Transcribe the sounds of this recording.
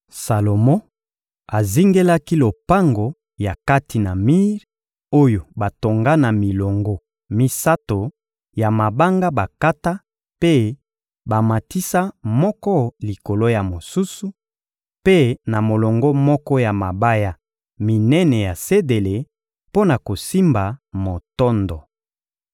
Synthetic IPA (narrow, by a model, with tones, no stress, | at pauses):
sa˨lo˨mɔ̃˦ | a˨zi˦ŋɡe˦la˦ki˦lo˨pa˦ŋɡo˨ | ja˨ka˦ti˨na˨mi˦ʁ | o˦jo˨ba˨to˨ŋɡa˦na˨mi˨lɔ˨ŋɡɔ˦ | mi˦sa˦to˨ | ja˨ma˨ba˦ŋɡa˦ba˨ka˦ta˦ | pe˦ | ba˨ma˨ti˦sa˦mɔ˦kɔ˦li˨ko˨lo˦ja˨mo˨su˦su˨ | pe˦na˨mo˨lɔ˨ŋɡɔ˦mɔ˦kɔ˦ja˨ma˨ba˦ja˦ | mi˨nɛ˦nɛ˨ja˨se˦de˨le˨ | po˦na˨ko˨si˦mba˨mo˨tɔ˦ndɔ˨